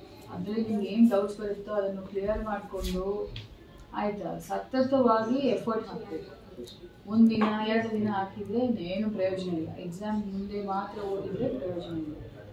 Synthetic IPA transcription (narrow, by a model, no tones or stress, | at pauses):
ɐ̰d̪ɾenimɡeːnɖɐwsbɐɾit̪ːuɐd̪ɐnːuklijɐɾmaːɖko̞ɳɖu | a̰ːjit̪ɐ̰sɐt̪ːɐt̪ɐʋaːɡiepʰɐɾʈsaːkbeku | mund̪inɐjaʈ̪ɐd̪inɐaːkid̪ɾe̞ɐneːnupɾɐjoːd͡ʒɐneeɡzaːmmund̪e̞maːt̪ɾɐo̞ːɽid̪ɾe̞pɾɐjoːd͡ʒɐne